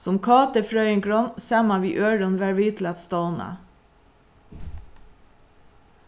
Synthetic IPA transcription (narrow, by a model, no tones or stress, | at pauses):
sɔmkʰɑːt̪əfɹœʏɪŋɡɹɔnsæmɑʋiːʔøːɹɔnʋæɹʋiːt̪ʰlɛt̪st̪ɑʊnɑ̰